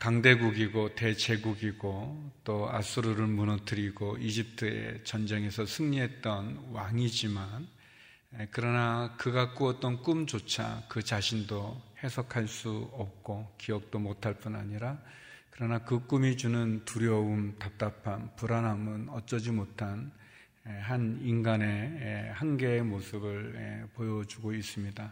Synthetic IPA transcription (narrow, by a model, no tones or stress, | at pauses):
kaŋde̞ɡuɡiɡote̞t͡ɕe̞ɡuɡiɡot͈oa̰s͈ʰuɾuɾɯɭmunʌtʰɯɾiɡoid͡ʑip̚tʰɯḛt͡ɕʌnd͡ʑe̞ŋe̞sʰʌsʰɯŋɲiɦe̞t̚t͈ʌnwaŋid͡ʑiman | ekɯɾʌnakɯɡak͈uʌt͈̚ʌnk͈umd͡ʑot͡ɕʰa̰kɯt͡ɕaɕʰindohe̞sʰʌkʰaɭs͈uʌp̚k͈okijʌk̚t͈omotʰaɭp͈unaɲiɾa | kɯɾʌnakɯk͈umid͡ʑunɯntuɾjʌumtap̚t͈apʰanpuɾanɦamɯnʌt͡ɕ͈ʌd͡ʑimotʰan | eɦaninɡane̞hanɡe̞mosʰɯbɯɭḛpojʌd͡ʑuɡois͈ɯmɲida